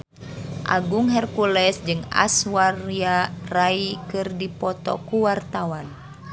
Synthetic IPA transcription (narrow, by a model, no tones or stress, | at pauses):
ʔa̰ɡuŋɦɛrkulɛsd͡ʒɨŋa̰swariaraikɨrdipɔt̪ɔ̰kuwart̪awan